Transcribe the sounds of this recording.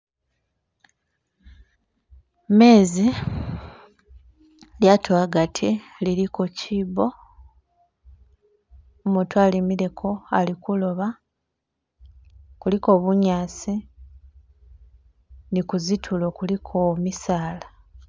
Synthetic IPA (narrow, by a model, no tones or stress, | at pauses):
me̞ːzi | ljatʰoaɡatʰiliɾikociːbo̞ | omuːtwalemiɾe̞kʰo̞alikulo̞βa | kuliko̞ːβuɲaːsi | nikuzitʰulokulikʰomisaːla